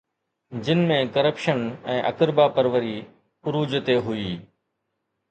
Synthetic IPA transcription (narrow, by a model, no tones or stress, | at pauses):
d͡ʑɪnmẽkəɾəpʃənɛ̃ːʔɐkəɾbapəɾʋəɾi | ʊɾuːd͡ʑt̪eɦʊiː